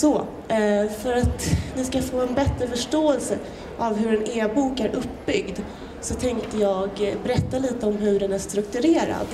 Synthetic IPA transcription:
sɔ | fœɾat̪vɪskafoːɛnbɛt̪ɾəfœʂʈoːɛlsə | ʔavɦɵɾɛneːbuːkæɾʔɵpːbʏɡd̪ | sɔt̪ʰɛŋkt̪əjɑːɡbɛɾɛt̪ːaliːt̪əɔmɦɵɖɛnæʂt̪ɾɵkt̪ɵɾeːɾa̰d̪

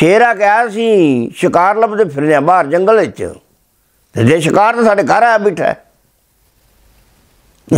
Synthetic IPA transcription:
ʃeːɾaːkaːsĩːʃɪkaːɾləbd̪eːpʰɪɾnãːbaːɾd͡ʒəŋɡəlʋɪt͡ʃ | t̪ed̪eːʃɪkaːɾt̪eːsaːɖeːkəɾaːbɪʈʰɛ̰ː

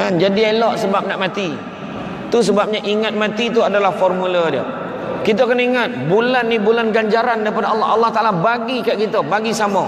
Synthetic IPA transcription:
and͡ʒadielɔʔsəbap̚naʔmat̪i | t̪us̬əbap̚ɲaʔiŋat̪̚mãt̪it̪̬uadalahfɔrmuladiə̰ | kit̪̬aakaniŋat̪̚bulanːibulanɡaɲd͡ʒaɾandaɾipadaɑlːɑɦɑlːɑht̪aʔalabaɡikaʔkit̪əbaɡisamo

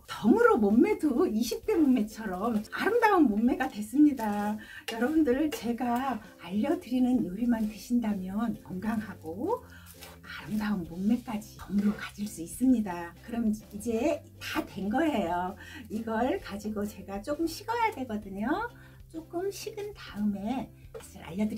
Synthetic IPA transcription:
tʌmɯɾomomːe̞doiɕʰip̚k͈e̞momme̞t͡ɕʰʌɾʌmaɾɯmdaɯnmomme̞ɡadwe̞s͈ɯmɲidajʌɾʌbundɯɾɯɭt͡ɕe̞ɡaː | ʎːʌdɯɾinɯnjoɾimantweɕʰindamjʌnʌŋɡaŋɦaɡo | aɾɯmdaɯnmoŋme̞k͈ad͡ʑiʌmɯɾokad͡ʑiɭs͈uis͈ɯmɲidakɯɾʌmid͡ʑe̞tadwe̞nɡʌɦe̞joiɡʌɭkad͡ʑiɡot͡ɕe̞ɡat͡ɕ͈ok͈ɯmɕʰiɡʌjadwe̞ɡʌdɯɲo | t͡ɕ͈ok͈ɯmɕʰiɡɯntaɯme̞mas͈ʰiɾa̰ʎːʌdɯɾ

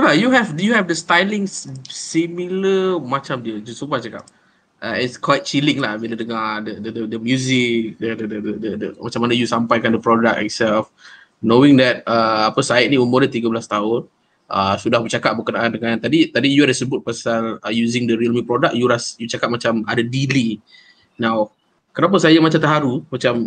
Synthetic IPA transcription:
bajuɦɛvdujuɦɛvdəst̪ajliŋsimiləmat͡ʃamdiəd͡ʒusupat͡ʃaka̰p̚ | ʔəitskwaɪt̪̚t͡ʃilɪŋlahvɛdədəŋadədədədəmjuzɪk̚dədədədədədəmat͡ʃãmanəjusampajkandəpɾɔdak̚ɛ̰tsɛlf | nowɪ̃ŋdɛt̪̚əapəsaɪt̪̚nĩumʊnit̪iɡabəlast̪aɦʊn | ʔəsudahbət͡ʃakat̚bəkənaʔandəŋant̪adit̪adijuadəsəbʊt̪̚pasaləjuzɪŋdəɾiəlmupɾɔdak̚juɾasjut͡ʃakat̚mat͡ʃamadadili | nãw | kənap̬asajamat͡ʃamt̪əɦaɾumat͡ʃam

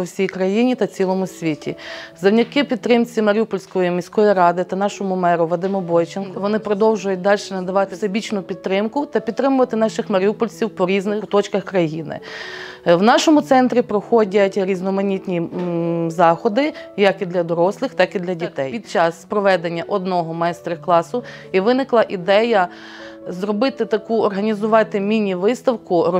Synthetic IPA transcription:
ɔwsʲijkɾɐjinʲit̪ɐt͡sʲilˠɔmʊsʲʋʲitʲḭzɐwnʲɐkɪpʲid̪t̪ːɾɪmt͡sʲimɐɾʲupɔlʲsʲkɔjimʲisʲkɔjiɾɑd̪ɪt̪ɐnɑʃɔmʊmɛɾʊʋɔd̪ɪmɔbɔjt͡ʃɪnkɔʋɔnɪpɾɔd̪ɔwʒʊjʊt̚ʲd̪ɑlʲʃɛnɐd̪ɐʋɑt̪ɪsebʲit͡ʃnʊpʲid̪ːɾɪmkʊt̪ɐpʲid̪̚t̪ːɾɪmʊʋɐt̪ɪnɑʃɪxmɐɾʲupɔlʲsʲiwpɔɾʲiznɪkʊt̪ɔt͡ʃkɐxkɾɐjinɪ̰ | wnɑʃɔmʊt̪sɛnt̪ɾʲipɾɔxɔdʲɐtʲɾʲiznɔmɐnʲit̪ʲnʲi | zɑxɔd̪ɪjɐkid̪lʲɐd̪ɔɾɔslˠɪxt̪ɑkid̪lʲɐdʲit̪ɛjpʲid̪̚t͡ʃɑspɾɔʋɛd̪enʲːɐʔɔd̪nɔɦɔmɐɛst̪ɾɐklˠɑsʊ | iʋɪnɪklˠɐʔid̪ɛjɐ | zɾɔbɪt̪ɪt̪ɐkuɔrɦɐnʲizʊʋɑt̪ɪmʲinʲiʋɪst̪ɐwkʊɾɔ

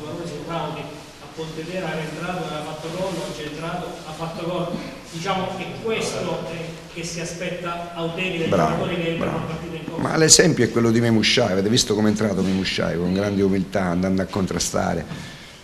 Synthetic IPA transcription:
aloneseɾmawt̪i | apːont̪ed̪eɾaɾent̪ɾaːt̪oafat̪ːokɔoat͡ʃːent̪ɾaːt̪oafːat̪ːokɔlo | d̪it͡ʃaːmoɛkːwest̪oɛ | k̟esːiaspɛt̪ːaːwt̪ɛːɾid̪ebɾa̰ːavoːɾikeɾɾa̰paɾt̪iːt̪eikɔma̰lesɛmpjoɛkːwelːod̪imemuʃːajaveːt̪ɪvist̪okoment̪ɾaːt̪omemuʃːa̰jkoŋɡɾand̪eumilt̪aand̪and̪akːont̪ɾast̪a̰ːɾḛ

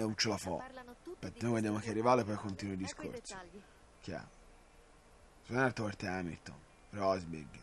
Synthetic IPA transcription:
unt͡ʃelafɔ̰penojved̪jamok̟earːivaːlepːɔjkont̪iːnuid̪iskʰo̰ɾt̪so̥ | kiɛ̰ | zɛnaɾt̪opeɾt̪eamḭɾt̪o̰n | peɾɔazbḛɡa

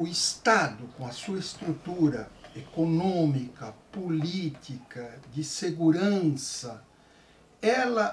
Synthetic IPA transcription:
ʊist̪ad̪ʊkõɐsuɐst̪ɾut̪uɾɐekonõmikɐpolit̪ikɐd͡ʒ̪ɪseɡuɾɐ̃sɐ | ɛlɐ

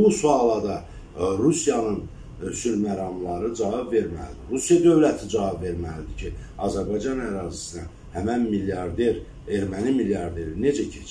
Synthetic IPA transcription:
busuɑlˠɑd̪ɑ | ɾusijɑnɯn | ʃyɾmæɾɑmlˠɑɾɯd͡ʒɑvɑbve̞ɾmæ̰lid̪iɾusijɑd̪ø̞vlæt̪ʰid͡ʒɑvɑbve̞ɾmælid̪icʰiɑzæɾbɑjd͡ʒɑnæɾɑːzisinæ | hæmænmiljɑɾd̪eɾ | e̞ɾmænimiljɑɾd̪e̞ɾine̞d͡ʒæcʰet͡ʃʰ

